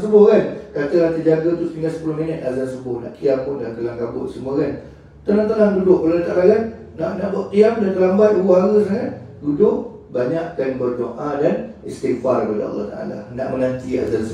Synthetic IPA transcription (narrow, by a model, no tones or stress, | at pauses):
səbʊhkankat̪əlant̪əd͡ʒaɡat̪uspiŋɡasə̥pulohminət̪̚azansəbʊhna̰ʔkiampʊndank̪əlaŋkabʊ̰ʔsəmuakan | t̪anant̪alaŋdudʊʔpəlat̪aʔalakanː | aʔnaʔbuaʔk̪iamdank̪əlambat̪̚uboɦaɾəsakan | dudʊʔ | baɲaʔkanbərdoʔadanɛst̪ifarəpadə̰ɑ̰lˠːɔ̰ht̪a̰ʔa̰la̰na̰ʔmənant̪ia̰zansə